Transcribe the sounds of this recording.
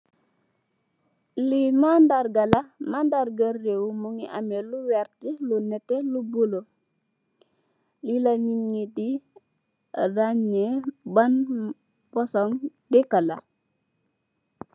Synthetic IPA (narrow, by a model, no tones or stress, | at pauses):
limandaɾɡalamandaɾɡarewmuŋiʔameluwɛɾtilunɛtelubulo | lilaɲiɲidi | raɲeban | pɔsɔŋdɛkala̰